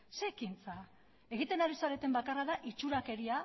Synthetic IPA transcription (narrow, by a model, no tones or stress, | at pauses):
se̞kint͡sa | e̞ɣ̞it̪e̞naɾisaɾe̞t̪e̞mbakaraðaʔit͡ʃuɾake̞ɾia